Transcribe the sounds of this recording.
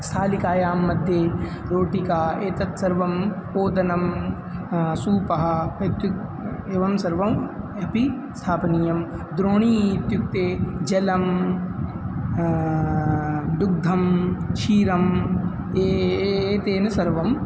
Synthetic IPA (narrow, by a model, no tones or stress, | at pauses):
sʰaːlikaːjaːmːɐd̪ʱjeː | ɾoːʈikaːeːt̪ɐt̪sɐɾʋɐmoːd̪ɐnɐm | suːpɐɦɐ̆et̪ju | eːʋɐmsɐɾʋɐm | ɐpi | st̪ʰaːpɐnijɐmd̪ɾoːɳ̃iːt̪juk̚t̪eːd͡ʒɐlɐm | d̪uɡ̚d̪ʱɐmʃiːɾɐm | eeːt̪eːnɐsɐɾʋɐm